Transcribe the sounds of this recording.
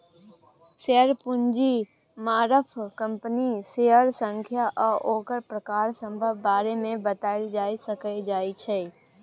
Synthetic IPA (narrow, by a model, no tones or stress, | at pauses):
seəɾpʊɲd͡ʒi | maːɾəpʰkə̃mpəniseːəɾsə̃ŋkʰjaʔɔːʔoːkəɾpɾəkaːɾsə̃mbʱəbːaːɾemẽbət̪aːɪld͡ʒaːisəkəd͡ʒaːit͡ʃʰeː